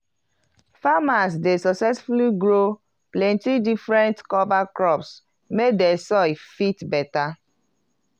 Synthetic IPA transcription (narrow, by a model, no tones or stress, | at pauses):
famas̬desɔksɛsfuliɡɹo | plɛ̃ntidifɹɛ̃ntkɔvakɹɔps | mek̚desɔifitbɛta